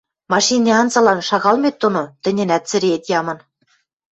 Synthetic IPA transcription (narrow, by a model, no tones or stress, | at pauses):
mɑʃinʲeɑnzɑ̆lɑnʃɑɣɑlmʲet̪ːonot̪ɘ̆nʲenæt̪̚t͡sɘ̆ɾeet̪jɑmɤ̆n